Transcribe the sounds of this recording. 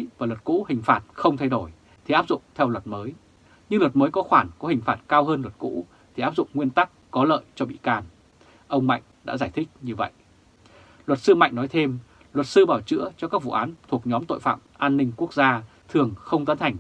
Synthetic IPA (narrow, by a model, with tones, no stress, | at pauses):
vaː˨˩lwə˨˩t̚kṵ˧˥hï˨˩ŋ̟faː˨˩t̚xə˧wŋ͡mt̪ʰa˧jɗo˧˩j | t̪ʰi˨ʔaː˦˥p̚zʊ̰˧˨ŋ͡mt̪ʰɛ˧wlwə˨˩t̚məː˨˦j | ɲɨ˧ŋlwə˨˩t̚məː˨˦jkɔ˨˦xwaː˧˩nkɔ˨˦hï˨˩ŋ̟faː˨˩t̚kaː˧wɦəː˧nlwə˨˩t̚kṵ˧˥ | t̪ʰi˨˩aː˦˥p̚zʊ̰˧˨ŋ͡mŋwi˧ənt̪a˦˥kːɔ˨˦lə̰ː˧˨jt͡ɕɔ˧ɓḭ˧˨kaː˨˩n | ʔə˧wŋ͡mma̰˧˨jŋ̟ɗa̰ː˧˥zaː˧˩jt̪ʰï˦˥k̟̚ɲɨ˧və̰˧˨jʔ | lwə˨˩t̚sɨ˧ma̰˧˨jŋ̟nɔ˨˦jt̪ʰe˧m | lwə˨˩t̚sɨ˧ɓaː˧˩wt͡ɕɨ̰˧˥ət͡ɕɔ˧ka˦˥k̚vṵ˧˨ʔaː˨˦nt̪ʰu˨˩ək̚ɲɔ˨˦mt̪o̰˧˨jfa̰ː˧˨mʔaː˧nːï˧ŋ̟ku˦˥ək̚zaː˧ | t̪ʰɨ˨˩əŋxə˧wŋ͡mt̪ə˨˦nt̪ʰa˨˩jŋ̟